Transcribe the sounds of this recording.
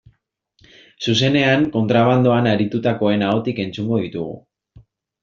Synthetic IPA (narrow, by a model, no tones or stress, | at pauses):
suse̞ne̞aŋko̞nt̪ɾaβ̞and̪oanaɾit̪ut̪ako̞e̞naot̪ike̞nt͡suŋɡo̞ð̞it̪uɣ̞ṵ